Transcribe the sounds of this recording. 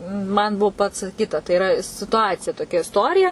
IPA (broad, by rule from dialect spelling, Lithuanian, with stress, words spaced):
mɐn ˈbuɔ pɐt͡sɐˈkʲiːtɐ tɐɪ ɪˈrɐ sʲɪtʊˈɑːt͡sʲɪjɛ toːˈkʲɛ ɪsˈtoːrʲɪjɛ